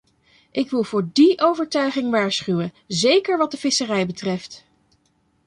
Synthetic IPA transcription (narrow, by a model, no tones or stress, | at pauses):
ʔɪkʋɪlˠvʊːɹdiʔowvəɹtœɥχɪŋʋaːɹsχywən | zejkəɹʋɑt̚dəv̥ɪsərɛjbətrɛft